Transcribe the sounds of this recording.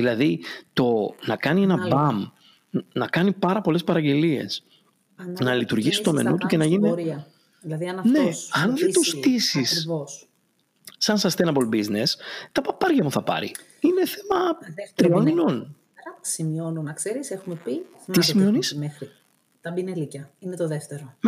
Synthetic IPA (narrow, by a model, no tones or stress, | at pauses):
ðilɐðit̪o̞nɐkɐnie̞nɐbɐm | nɐkɐnipɐɾɐpo̞le̞spɐɾɐɟe̞lie̞̰s | nɐlit̪uɾʝisist̪omḛnut̪uce̞nɐʝiniɾiɐ | ðlɐðiɐnɐnne̞ɐnðet̪ost̪isisos | sɐnsɐst̪enɐpolbizne̞st̪ɐpɐpɐɾʝɐmuθɐpɐ̰ɾḭ | ine̞θemɐt̪ɾioninon | ɐsimionunɐkse̞ɾisexumepi | t̪isimio̞nismexɾi | t̪ɐbinelicɐinet̪oðeft̪eɾo